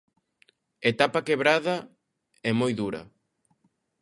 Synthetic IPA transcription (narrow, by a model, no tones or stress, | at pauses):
et̪apɐkeβɾaðɐ | ɛmojðuɾɐ̰